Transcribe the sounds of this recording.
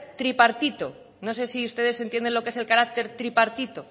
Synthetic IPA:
t̪ɾipaɾt̪it̪o | no̞s̬e̞siust̪e̞ð̞esent̪je̞nd̪e̞nlokeese̞lkaɾak̚t̪e̞ɾt̪ɾipaɾt̪it̪o

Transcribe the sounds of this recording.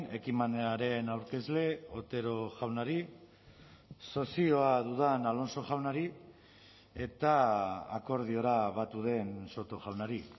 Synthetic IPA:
ne̞kimaneaɾe̞nawɾke̞zle̞ot̪e̞ɾo̞ʝawnaɾi | so̞sio̞aðuðanalo̞nso̞ʝawnaɾi | e̞t̪aa̰ko̞ɾð̞io̞ɾaβat̪uð̞e̞nso̞t̪o̞ʝawnaɾi

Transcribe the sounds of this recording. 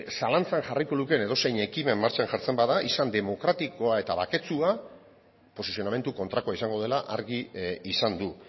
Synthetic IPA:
salant͡sanʝariko̞luke̞ne̞ðo̞se̞jɲe̞kime̞mːaɾt͡ʃanʝaɾt͡se̞mbaðaʔisand̪e̞mo̞kɾat̪iko̞ae̞t̪aβake̞t͡sua | po̞sisio̞name̞nt̪uko̞nt̪ɾakoaisaŋɡo̞ð̞e̞laʔaɾɣiisand̪u

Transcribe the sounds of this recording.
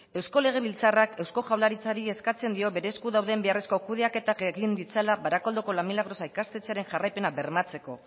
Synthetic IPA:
e̞wsko̞le̞ɣ̞e̞βilt͡sarake̞wsko̞ʝawlaɾit͡saɾie̞skat͡se̞nd̪io̞βe̞ɾe̞skuðawðe̞mbe̞are̞sko̞kuð̞e̞ake̞t̪akeɣind̪it͡salaβaɾako̞ld̪oko̞lamilaɣɾo̞saikast̪et͡saɾe̞nʝarajpe̞naβe̞ɾmat͡se̞ko̞

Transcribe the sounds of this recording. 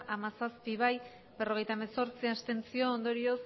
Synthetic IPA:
ʔamasaspiβ̞aj | be̞ro̞ɣ̞e̞jt̪aemeso̞ɾt͡siast̪e̞nt͡sio̞ːnd̪o̞ɾio̞s

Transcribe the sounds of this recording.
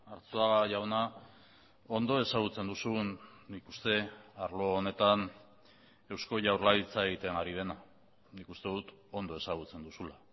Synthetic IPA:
aɾt͡soaɣaʝawna | o̞nd̪o̞e̞saɣ̞ut͡se̞nd̪usunikust̪e̞aɾlo̞ːne̞t̪an | e̞wsko̞ʝawɾlalit͡sae̞ɣit̪e̞ŋɡaɾið̞e̞na | nikust̪e̞ðut̪o̞nd̪o̞e̞saɣ̞ut͡se̞nd̪usula

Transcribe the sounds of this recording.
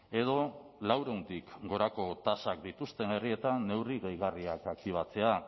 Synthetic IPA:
e̞ð̞o̞lawɾe̞unt̪ikɡo̞ɾako̞t̪asakd̪it̪ust̪e̞ne̞rie̞t̪anːe̞wriɣejɣ̞ariakak̚t̪iβ̞at͡se̞a

